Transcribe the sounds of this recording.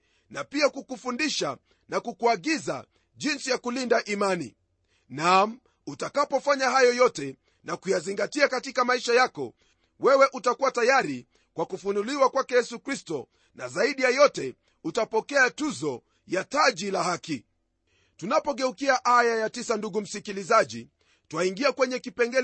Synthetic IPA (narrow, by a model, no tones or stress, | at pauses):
napiakukufundiʃa̰ | nakukuaɠiza̰ | ʄinsijakulindaʔimanḭ | nam̩ | utakapɔfaɲahajɔjɔtɛ | nakujaziŋɡatiakatikamaiʃajakɔ̰ | wɛwɛʔutakuwatajaɾi | kwakufunuliwakwakɛjɛsukɾistɔ | na̰zaiɗijajɔtɛ | utapɔkɛatuzɔ | jataʄilahaki | tunapɔɠɛukiaʔajajatisanduɡum̩sikilizaʄḭ | twaiŋɡiakwɛɲɛkipɛŋɡɛ